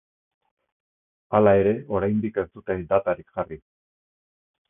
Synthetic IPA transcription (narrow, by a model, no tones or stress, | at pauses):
alae̞ɾe̞o̞ɾajnd̪ike̞st̪ut̪ed̪at̪aɾikʝari